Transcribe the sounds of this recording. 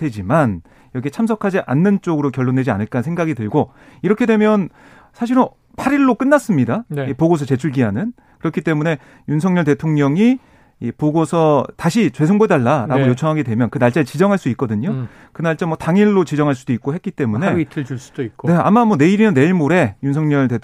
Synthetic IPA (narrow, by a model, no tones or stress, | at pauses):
d̥ʰed͡ʑiman | jʌɡiɦet͡ɕʰamsʰʌkʰad͡ʑiʔanːɯnt͡ɕ͈oɡɯɾokjʌɭːondwe̞d͡ʑia̰nɯɭk͈ansʰŋɡaɡidɯɭɡo | iɾʌkʰe̞dwe̞mjʌn | sʰaɕ̬ʰiɾo | pʰaɾiɭːok͈ɯnːas͈ɯmɲidanipoɡos̬ʰʌt͡ɕe̞t͡ɕʰuɭɡiɦanɯn | kɯɾʌkʰit͈e̞mune̞ | juns̬ʰʌŋɲʌɭte̞tʰoŋɲʌŋi | ipoɡosʰʌtaɕʰit͡ɕwe̞sʰoŋbodaɭːaɾaɡojot͡ɕʰʌŋɦaɡedwe̞mjʌnkɯnaɭt͡ɕ͈at͡ɕid͡ʑʌŋɦaɭs͈duik͈ʌdɯɲo | kɯnaɭt͡ɕ͈amwʌtaŋiɭːot͡ɕid͡ʑʌŋɦaɭs͈ud̥oik͈ohe̞t̚k͈it͈e̞mune̞itʰɯt͡ɕuɭs͈u̥d̥oikne̞a̰mamʌne̞iɾinɯnːe̞iɭmoɾe̞junsʰʌŋɲʌɭte